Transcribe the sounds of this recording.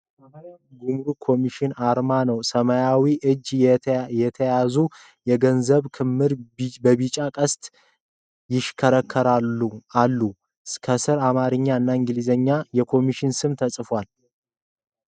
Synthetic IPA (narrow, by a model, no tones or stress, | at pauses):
səmaɾjawɡumɾukʰo̞miʃɪnaɾmanəwsəmajawiʔɨd͡ʒːjɛt̪ʰəjazu | jɛɡənzəβkʰɨmːɨɾbəβit͡ʃʼakʼəst̪ʼ | jɪʃkʰəɾəkʰːəɾaualːu | kʰəsɨɾamaɾɨɲːaɨnːaɪŋɡɨlizəɲːajɛkʰo̞miʃɪnsɨmt̪ʰəsʼɨfwal